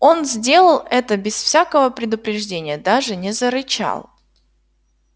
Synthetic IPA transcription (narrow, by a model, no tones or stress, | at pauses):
o̞nzʲdʲe̞lˠəlˠɛt̪əbʲɪsfsʲakəvəpɾʲɪd̪ʊpɾʲɪʐdʲenʲɪjəd̪aʐɨnʲɪzəɾɨt͡ɕa̰lˠ